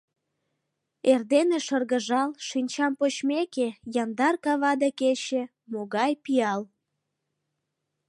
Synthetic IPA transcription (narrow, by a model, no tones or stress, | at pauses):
erd̪eneʃərɣəʒɑlʃinʲt͡ɕɑmpot͡ɕmekejɑnd̪ɑrkɑβɑd̪eket͡ɕe | moɣɑjpiɑl